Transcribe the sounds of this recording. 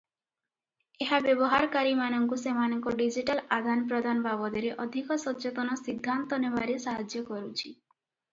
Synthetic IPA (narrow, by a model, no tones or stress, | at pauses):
eɦabebɔɦaɾkaɾimanɔŋkusemanɔŋkɔɖid͡ʒiʈalad̪ʱanpɾɔd̪ʱanbabɔd̪eɾeʔɔd̪ʱikɔsɔt͡ʃet̪ɔnɔsid̪ʱːant̪ɔnebaɾesaɦad͡ʒjɔkɔɾut͡ʃʰi